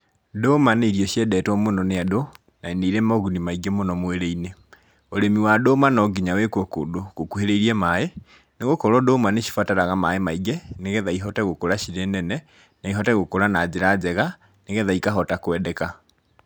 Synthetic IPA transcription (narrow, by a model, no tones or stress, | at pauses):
domaneiɾiɔɕjɛdɛtwɔmonɔneado | naeneiɾemɔɣunimaiɡemonɔmweɾeine | oɾemiwadomanɔɡiɲawekwɔko̰doɣokuheɾeiɾiɛmae | neɣokɔɾɔdomaneʃi̥fataɾaɣamaemaiɡɛneɣeðaiɦɔtɛɣokoɾaʃiɾenɛnɛ | naiɦɔtɛɣokoɾanad͡ʑeɾad͡ʒɛɣa | neɣeðaikaɦɔtakwɛːdɛka